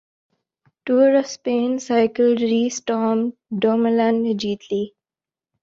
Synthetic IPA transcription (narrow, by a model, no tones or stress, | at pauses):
ʈuːɾɔfspẽːnsaɪkəlɖɾiːsʈɔːmɖoːməlãnd͡ʒiːt̪ʰli